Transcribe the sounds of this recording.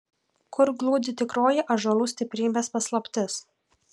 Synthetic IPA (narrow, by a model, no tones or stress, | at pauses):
kʊɾɡlˠuːd̪ʲɪt̪ʲɪkɾoːjɪʔɐʒɐlˠuːsʲt̪ʲɪpʲɾʲiːbʲeːspɐslˠɐpʲt̪ʲɪs